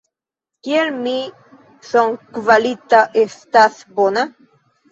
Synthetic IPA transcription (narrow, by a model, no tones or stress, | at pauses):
kjelmi | soŋkvalit̪aʔest̪aθbona